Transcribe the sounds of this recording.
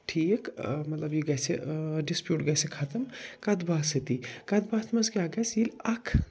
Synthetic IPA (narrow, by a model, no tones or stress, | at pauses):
ʈʰiːkmɐt̪lɐbjiɡɐseɖispjuːʈɡɐsekʰat̪ɐmkɐd̪baːset̪ikɐd̪baːsmɐskaɡɐsilɐkʰ